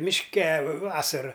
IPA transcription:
mʲɪʃʲˈkʲɛ ˈʋɑːsɐrɐ

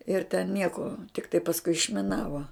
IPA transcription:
ɪr tʲɛn ˈnʲiɛkoː tʲɪkˈtɐɪ pɐsˈkʊɪ ɪʃʲmʲɪˈnɑːʋoː

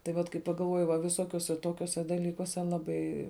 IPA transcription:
tɐɪ ˈʋɐt kɐɪ pɐɡɐlˠˈʋuɔjɪ ʋɐ ʋʲɪˈsoːkʲuɔsʲɛ ˈtoːkʲuɔsʲɛ dɐˈlʲiːkuɔsʲɛ ˈlˠɑːbɐɪ

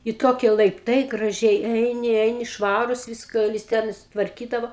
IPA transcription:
ɪ ˈtoːkʲiɛ lˠɐɪpˈtɐɪ ɡrɐˈʒʲɛɪ ˈɛɪnʲɪ ˈɛɪnʲɪ ˈʃʋɑːruːs ˈʋʲɪskɐ jɪs ˈtʲɛn ɪ sʊtʋɐrʲˈkʲiːdɐʋoː

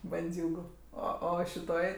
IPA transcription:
bɐnʲˈd͡zʲuːɡʊ ˈoː ˈoː ʃʲɪˈtoːj

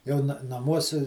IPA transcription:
ˈjɛʊ nɐ nɐˈmuɔsʲɪ

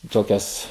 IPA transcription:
ˈtoːkʲɛs

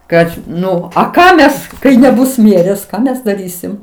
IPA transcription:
ˈkɐt ˈnʊ ɐ ˈkɑː ˈmʲɛs kɐɪ nʲɛˈbʊs ˈmʲiɛrʲeːs ˈkɑː mʲɛs dɐˈrʲiːsʲɪm

